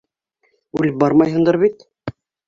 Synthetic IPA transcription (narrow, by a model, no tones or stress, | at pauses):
ʉlɘp̚bɑɾmɑjɦɤ̆nd̪ɤɾβit̪